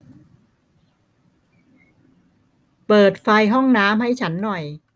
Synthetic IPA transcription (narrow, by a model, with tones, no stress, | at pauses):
pɤː˨˩t̪̚fa˧jɦɔ˥˩ŋnaː˦˥mha˥˩jt͡ɕʰa˦˥nːɔ˨˩j